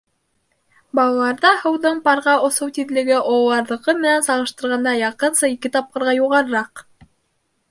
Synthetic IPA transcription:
bɑlˠɑlˠɑɾðɑhɤ̆wðɤɴpɑɾʁɑŏsɤwt̪iðlɘ̆ɡɘʔollˠɑɾðˠɤ̆qɤmɘ̆nænsɑʁɤ̆ʃt̪ɤ̆ɾʁɑnd̪ɑjɑqɤ̆nsɤikɘt̪ɑp̚qɤ̆ɾʁɑjuʁɑɾɤ̆ɾɑq

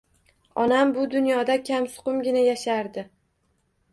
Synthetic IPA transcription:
ɒnambʊd̪ʊnjɒd̪akʲʰamsʊ̥qʊmɡʲɪnajaʃaɾd̪ɪ

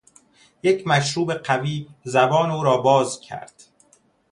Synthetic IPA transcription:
jecʰmæʃɾuːbe̞qæviːzæbɒːnuːɾɒːbɒːzcʰæ̰ɾd̪̥

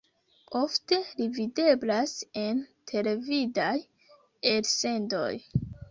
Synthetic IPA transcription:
o̞fte̞livide̞blase̞ntʰe̞le̞vidaj | else̞ndo̞̰j

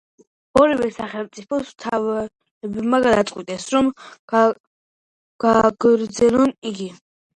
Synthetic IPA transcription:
ɔɾivɛsaχɛlmt̪sʼipʰɔst̪ʰav | ɛbɛbmaɡad̪at̪sʼqʼwit̪ʼɛsɾɔm | ɡ̥aɡ̥ɾd̪zɛlɔniɡi

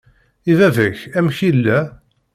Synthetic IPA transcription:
iðæðəçæmçilːæ

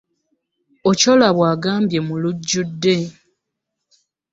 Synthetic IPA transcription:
oco̞laβwaːɡaːmbje̞muluɟːudːe̞

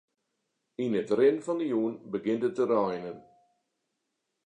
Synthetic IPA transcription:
inətrɪnfɑndəjuːənbəɡɪntətːəɾajnən

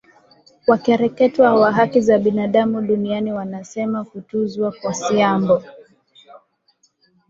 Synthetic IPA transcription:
wakɛɾɛkɛtwawaɦakizaɓinaɗamuɗunianiwanasɛmakutuzwakwasiambɔ

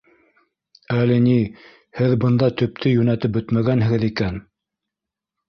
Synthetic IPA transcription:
ælɘ̆ni | hɘðbɤ̆nd̪ɑt̪ɵ̆p̚t̪ʰɵjʉnæt̪ɘp̚bɵt̪mæɡænɦɘ̆ɡɘðikæn

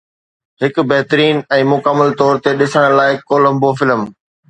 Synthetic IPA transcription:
ɦɪk̆bɛɦt̪ɾiːnɛ̃ːmʊkəməlt̪ɔːɾt̪eɗɪsəɽ̃laːɪkoːlə̃mbofɪləm

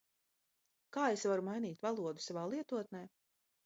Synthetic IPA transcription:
kaːesvaɾumajniːt̪valˠuɔd̪u̥savaːlˠiɛt̪uɔt̪nɛː

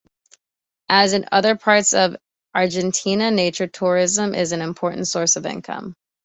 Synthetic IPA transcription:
ʔɨzɨ̃nʌ̰ðə˞pʰɑɹtsʌv | ʔɑɹd͡ʒɨ̃ntʰĩnɨneɪt͡ʃə˞tʰʊɹɪzə̃mʔɪ̰zɨ̃nɨ̃mpʰɔɹʔn̩tsɔɹsʌvɪ̰̃nkʰʌ̰̃m

